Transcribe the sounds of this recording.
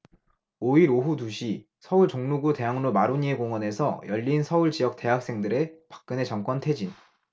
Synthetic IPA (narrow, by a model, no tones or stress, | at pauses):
oiɾoɦutuɕʰi | sʰʌuɭt͡ɕoŋnuɡute̞ɦaŋnomaɾuɲie̞koŋwʌne̞sʰʌ̰jʌʎːinsʰʌuɭt͡ɕijʌk̚t͈e̞ɦak̚s͈e̞ŋdɯɾe̞pḁk̚k͈ɯne̞t͡ɕʌŋk͈wʌntʰe̞d͡ʑin